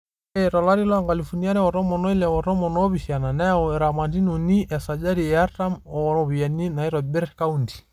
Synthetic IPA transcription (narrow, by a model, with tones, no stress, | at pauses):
ɛɾɔ˨la˦ɾi˦la˦ŋɡa˨li˨fu˨ni˦a˦ɾɛ˦wɔ˨ɾɔ˦mɔ˨nɔ˦i˦lɛ˨wɔ˨ɾɔ˦mɔ˨nɔ˦βi˨sia˨na˨nɛ˦ɔ˨ɾa˨ma˨ndi˦nu˨ni˦ʔɛ˨sa˨d͡ʒa˦ɾi˨ɛa˦ɾta˦mɔ˨ɾɔβi˨a˨ni˦na˨i˦ɾɔ˨bɛ˦ɾka˦undi̥˨